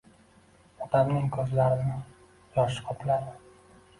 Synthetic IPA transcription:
ɒd̪amnɪŋkʰɵzlaɾɪnɪ | jɒʃɪ̥qʰɒpʰlaɾɪ

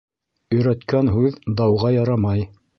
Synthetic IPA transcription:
ɵ̆jɾæt̪kænɦʉðd̪ɑwʁɑjɑɾɑmɑj

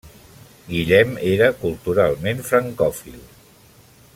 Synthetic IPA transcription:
ɡiʎɛmeɾəkulˠt̪uɾalˠmenfɾəŋkɔfilˠ

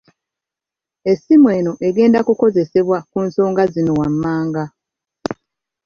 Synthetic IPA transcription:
e̞simweːno̞ʔeɡe̞ːndakuko̞ze̞se̞βwakunso̞ːŋɡazino̞wamːaːŋɡa

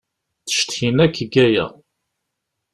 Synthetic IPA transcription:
θə̥ʃt̪çinækːəɡæjæ̰

